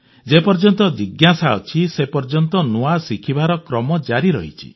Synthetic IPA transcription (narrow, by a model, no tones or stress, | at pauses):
d͡ʒepɔɾd͡ʒɔnt̪ɔd̪iɡjasaɔt͡ʃʰisepɔɾd͡ʒɔnt̪ɔnuasikʰibaɾɔkɾɔmɔd͡ʒaɾiɾɔ̰ɦit͡ʃʰḭ